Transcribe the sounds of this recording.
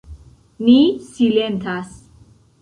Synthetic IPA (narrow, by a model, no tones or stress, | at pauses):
nisilɛnt̪ʰas